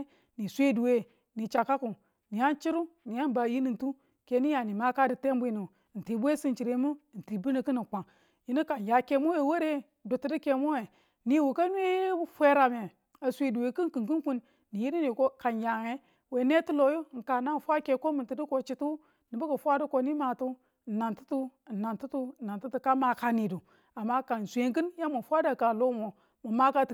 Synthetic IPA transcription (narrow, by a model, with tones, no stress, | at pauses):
ni˨sʷe˦du˨we˨ | ni˨t͡ʃa˨ka˦ku˨ | ni˨ja˦nt͡ʃi˦ɾu˦ni˨ja˦n˦ba˨ji˦ni˨ntu˦ | ke˨ni˦ja˨ni˨ma˦ka˦di˨te˦m˦bʷi˨nu˨n̩˨ti˨bʷe˦si˦nt͡ʃi˨ɾe˨˦mu˦˨n̩˨ti˨bu˦ni˨kɨ˦ni˨k͡pa˨ŋ | ji˦ni˦ka˨nja˨ke˨mo˦je˨we˦ɾe˦ | du˨ti˨di˦ke˨mo˦e˨ | ni˦˨wu˨ka˦nʷ˦e˦fʷe˦ɾa˨me˨ | a˨sʷe˨du˨we˨ki˦n˦kɨ˨ŋku˦ku˦nː | i˨ji˦ɾi˦ni˨ko˦ka˨nja˨ŋe˦ | we˨˦ne˦tu˦lo˨ju˦˨ŋ̩˨ka˨na˦˨fʷa˦ke˨ko˦mi˨nti˨di˦ko˨t͡ʃi˨tu˦ | ni˨bu˦ku˨fʷa˦du˦ko˨ni˦ma˨tu˦˨ | na˨ntu˦tu˦˨na˨ntu˦tu˦˨na˨ntu˦tu˦ka˦ma˨ka˨ni˨du˨ | a˨mːa˦ka˨n˨sʷe˨ŋkɨ˦nja˦mu˨fʷa˦da˦˨ka˨lo˦mo˨ | mu˨ma˦ka˦t